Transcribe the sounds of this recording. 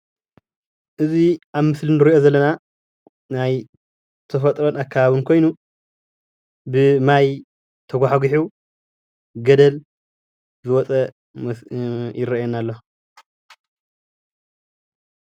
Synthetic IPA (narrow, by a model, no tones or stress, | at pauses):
ʔɨziʔaβmɨslɨnɨɾiʔo̞zɐlːɐna | naj | t̪ʰɐfɐt̪ʼɾonakʰːaβaβɨnkʰo̞jnu | bɨmaj | t̪ʰɐɡʷaħaɡuħu | ɡɐd̪ɐl | zɨwɔt͡sʼɐ | jɪɾɐjɛnalːo